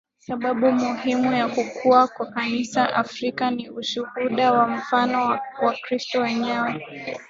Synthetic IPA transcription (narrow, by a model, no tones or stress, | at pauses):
saɓaɓumuhimujakukʰuakwakanisaʔafɾikaniuʃuhuɗawam̩fanɔwakɾistɔwɛɲɛwɛ